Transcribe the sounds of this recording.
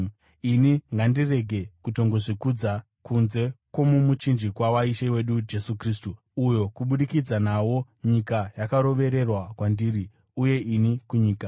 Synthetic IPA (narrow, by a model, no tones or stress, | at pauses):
iniŋɡandire̞ɡʱe̞kuto̞ŋɡo̞ʐikud͡za | kunze̞kwo̞mumut͡ʃind͡ʒikwawaiʃewe̞ɗud͡ʒe̞sukristu | ujo̞kuɓuɗikid͡zanawo̞ | ɲikajakaɾo̞ʋe̞ɾe̞rwakwandiːɾi | uje̞ʔinikuɲiːka